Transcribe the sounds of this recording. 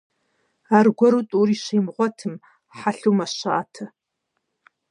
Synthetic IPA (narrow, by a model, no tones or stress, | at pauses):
aːrɡʷɔɾutʼuriːɕejmʁʷɔtʰɨm | ħaɬuːmaɕa̰ːtʰɐ